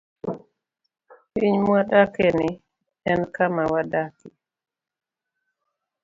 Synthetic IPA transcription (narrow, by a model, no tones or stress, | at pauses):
iɲmadakenɪ | ɛnkamawadakɪ